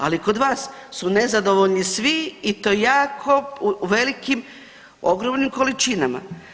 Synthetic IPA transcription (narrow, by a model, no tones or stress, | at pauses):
a̰liko̞d̪ʋaːssunezad̪o̞ʋoʎnisʋiːt̪o̞jaːkʰoʋe̞likim | o̞ɡɾo̞mnimko̞lit͡ʃinama̰